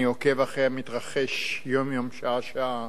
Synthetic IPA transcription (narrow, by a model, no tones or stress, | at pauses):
iokevaχeamit̪ʁaχe̞ʃjomjomʃaaʃaa